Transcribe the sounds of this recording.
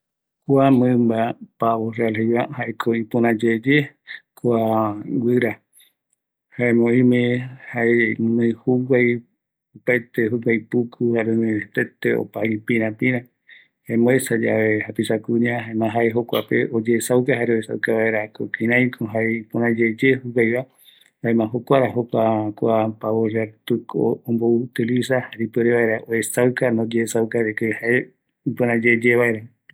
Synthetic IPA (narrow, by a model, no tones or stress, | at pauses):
kʷamɨ̃mbapaβorealɦejβahaʔekʰoipõɾãd͡ʒed͡ʒekʷawɨɾa | haemõĩmẽhaemmɨ̃huwaj | upajt̪eɦuɡajpukʰuhaɾemẽt̪et̪eo̰paipĩɾãpĩɾã | haemõesad͡ʒa̰ʋehapisakũɲãɦaemãɦaeɦokʷa̰pḛʔod͡ʒesawkaɦaɾeoesa̰wkaβaeɾakokĩɾãj̃kʰoɦaepõɾãd͡ʒed͡ʒehuɡajβa | haemãɦokʷaɾaɦokʷakʷapaβoʒaɾt̪uko̰ːmbout̪ilisahaɾipeɾeβaeɾaʔoesawkanod͡ʒeːsawkaɾekehae | põɾãd͡ʒed͡ʒeβaeɾa